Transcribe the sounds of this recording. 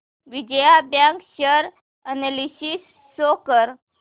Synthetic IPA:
ʋid͡ʑəjabjãŋkɕəɾ | ənelisisː | okəɾ

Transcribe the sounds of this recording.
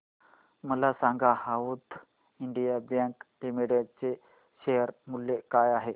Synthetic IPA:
məlasaŋɡahaut̪ | iɳɖijabjaŋklimiɽjaɖ̚t͡se | ɕejəɾmulːekajaɦe

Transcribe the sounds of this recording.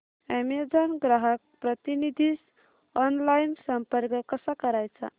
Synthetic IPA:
emed͡zənɡɾaɦək̚pɾət̪inid̪ʱis | ɔnlajnsəmpəɾkəkːəsəkəɾajt͡ʃʰã̰

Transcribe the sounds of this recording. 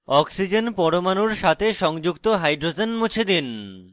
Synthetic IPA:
ɔksid͡ʑenpɔɾomanuɾʃat̪ʰeʃɔŋd͡ʑukt̪oɦajɖɾod͡ʑenmut͡ɕʰed̪in

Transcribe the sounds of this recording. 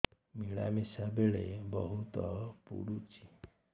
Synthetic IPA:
miɭa̰misabeɭebɔɦut̪ɔpṵɽut͡ʃi

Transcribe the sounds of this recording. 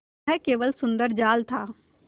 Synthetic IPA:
ɛkeːʋəlsʊ̃nd̪əɾd͡ʒaːlt̪ʰaː

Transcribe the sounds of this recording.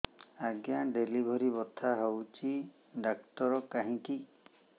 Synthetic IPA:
aɡjaɖelibʱɔɾibɔt̪ʰaɦowt͡ʃi | ɖaktɔɾɔkaɦĩki

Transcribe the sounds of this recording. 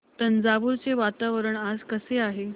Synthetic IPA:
t̪ənd͡zaʋuɾt͡seʋat̪aʋəɾəɳad͡zkəseaɦe

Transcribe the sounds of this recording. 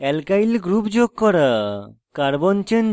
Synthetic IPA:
ɛlkajlɡɾupd͡ʒoɡ̚kɔɾa | kaɾbɔnt͡ʃən

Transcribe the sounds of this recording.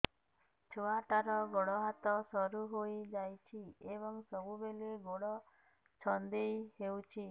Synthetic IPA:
t͡ʃʰoaʈaɾɔɡɔɽɔɦat̪ɔsɔɾuɦojd͡ʒajt͡ʃʰiebɔŋsɔbubeleɡoɽɔ | t͡ʃʰɔnd̪ejɦewt͡ʃʰi

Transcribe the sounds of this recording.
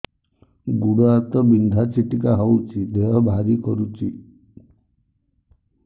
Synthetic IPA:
ɡuɽɔat̪ɔbind̪ʱat͡ʃiʈikaɦɔwt͡ʃʰid̪ʱeɦɔbʱaɾikɔɾut͡ʃʰi

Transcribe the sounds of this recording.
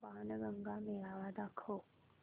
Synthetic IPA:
baːnəɡəŋɡameːlaːʋaːd̪akʰo

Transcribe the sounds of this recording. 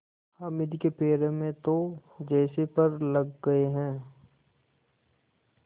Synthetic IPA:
ɐmɪd̪kepeːɾemẽt̪od͡ʒɛːsepɐɾlɐɡːɐeɦɛ̃ː

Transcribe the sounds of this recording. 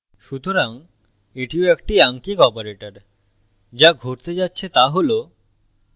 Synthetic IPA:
ʃut̪oɾaŋ | eʈioekʈiaŋkikɔpoɾeʈəɾ | d͡ʑaɡʱoʈt̪ed͡ʑatːɕʰet̪aɦolo

